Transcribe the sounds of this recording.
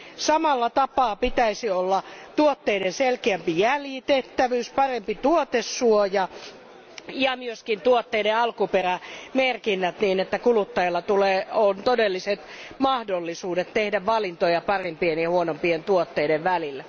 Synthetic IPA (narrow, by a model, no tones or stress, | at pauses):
sɑmɑlːɑt̪ɑpɑːpit̪æisiolːɑt̪uot̪ːeidenselkeæmpijæljit̪eht̪ːæʋyːspɑrempit̪uot̪esːuojɑ | jɑmyøskint̪uot̪ːeideɑlkuperæmerkinːæt̪niːnet̪ːækulut̪ːɑjelːɑt̪uleːont̪odelːiset̪mɑhdolːisuːdet̪t̪ehdæʋʋɑlint̪ojɑpɑrempienjɑhuonompient̪uot̪ːeideʋʋælilːæ